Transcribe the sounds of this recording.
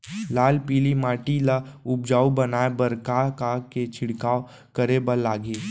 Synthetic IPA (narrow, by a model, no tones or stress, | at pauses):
laːlpiːlimaːʈilaʊb̚d͡ʒaːubɐnaːebəɾkakaket͡ʃʰɪɽkaːo | kəɾebəlaːɡeː